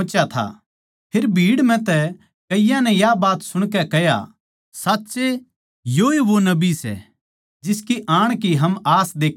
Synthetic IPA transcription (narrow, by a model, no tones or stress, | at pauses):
t͡ʃjat̪ʰa̰ | pʰeːɾbʱiːɽm̤ɛ̃t̪ɛ | kɐɪjãnɛ̃jabaːt̪sʊɽ̃kɛkɛja̰ | saːtːse | joiʋonɐbisɛ̰ | d͡ʒɪskiʔaːɽ̃kiɦɐmaːsd̪eːkʰ